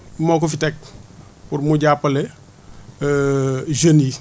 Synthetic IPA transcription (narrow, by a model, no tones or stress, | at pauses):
moːk̬ɔfitɛk̚ | puɾmuɟapːɐlɛ | ʒəni